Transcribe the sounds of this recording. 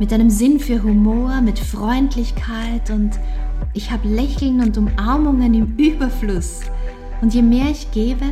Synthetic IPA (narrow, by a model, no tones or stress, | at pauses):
mɪtʔaɪnəmzɪnfyːɐɦumoːɐmɪtfʁ̥ɔʏntʰlɪçkʰaɪtʊntʔɪçhaːbəlɛçl̩nʊntʊmʔaɐmʊŋənɪmyːbɐflʊs | ʊntjeːmeːɐɪçɡ̥eːbə